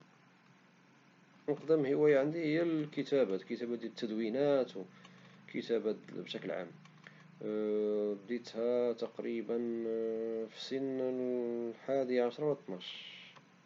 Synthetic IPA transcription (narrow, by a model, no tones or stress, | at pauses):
nəqd̪əmhəwæjaʕənd̪ihəjːælkət̪æbækət̪æbæd̪jæt̪ːæd̪winæt̪wkʰət̪æbæbʃækəlʕa̰mː | bd̪it̪hæt̪ɑqɾibən | fi̥sən | ħad̪iʕaʃɾˤɑwət̪ˤːnɑʃ